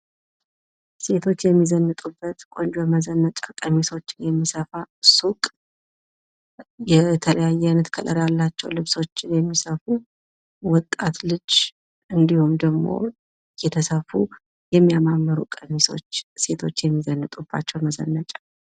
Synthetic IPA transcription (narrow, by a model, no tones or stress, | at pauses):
se̞t̪ʰo̞t͡ʃːjɛmːizənːɨt̪ʼubːət̪kʼo̞nd͡ʒməzənːət͡ʃʼakʼəmisot͡ʃːɪnjɛmːisəfasukʼ | jɛt̪ʰələjajːɛnɨt̪kʰəlʼəɾjalːat͡ʃːɛwlɨβso̞t͡ʃːɪnjɛmːisəfu | wɔt̪ʼːat̪lɨd͡ʒ | ɨnd̪ihumd̪əɡmo̰ | jɛt̪ʰəsəfu | jɛmːijamamːəɾukʼəmiso̞̰t͡ʃːse̞t̪ʰo̞t͡ʃːjɛmːizənːɨt̪ʼubːa̰t͡ʃːɛwməzə̰nːət͡ʃʼḁ